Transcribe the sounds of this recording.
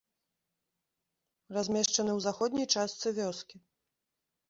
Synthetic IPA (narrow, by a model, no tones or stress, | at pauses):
razʲmʲɛʂt͡ʂɐnɨwzaxɔd̪ʲnʲijt͡ʂast̪sɨvʲɔskʲi